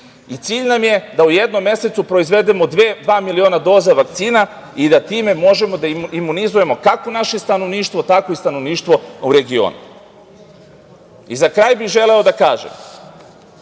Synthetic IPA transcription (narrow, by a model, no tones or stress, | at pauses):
it̪siːʎnamje̞d̪auje̞d̪nomːje̞se̞t̪supɾo̞izʋe̞d̪emo̞d̪ʋeːd̪ʋaːmilio̞ːnad̪o̞ːzaʋak̚t̪siːna | id̪at̪iːme̞mo̞ʒe̞mo̞d̪aiimːunizuje̞mo̞kako̞naʃe̞st̪ano̞ʋniːʃt̪ʋo̞t̪ako̞ist̪ano̞ʋniːʃt̪ʋo̞uɾe̞ɡio̰ːnṵ | izakɾaːjbiʒe̞leo̞d̪akaːʒḛm